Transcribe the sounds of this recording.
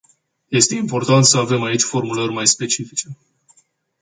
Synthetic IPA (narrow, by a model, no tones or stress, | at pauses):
je̞st̪e̞impo̞rt̪ant̪səave̞mait͡ʃʲfo̞rmulərʲmajspe̞t͡ʃifit͡ʃe̞